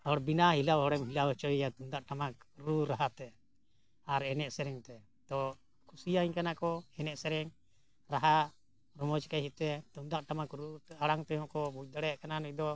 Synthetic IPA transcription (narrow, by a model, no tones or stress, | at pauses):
hɔɽbinaɦilawɦɔɽɛmɦilawt͡ʃɔijat̪umd̪aʔʈamakɾuɾaɦat̪ɛ | aɾɛnɛʔsɛɾɛŋt̪ɛ | t̪ɔ | kʰusijaiɲkanakɔɛnɛʔsɛɾɛŋ | ɾaɦa | ɾɔmɔd͡ʒkaɦit̪ɛt̪umd̪aʔʈamakɾuaɽaŋt̪ɛɦɔ̃kɔbuˀd̪aɽɛʔkananud̪ɔ